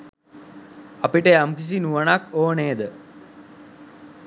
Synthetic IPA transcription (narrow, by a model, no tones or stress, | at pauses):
apiʈəjamkis̬inuʋanakoːneːd̪ə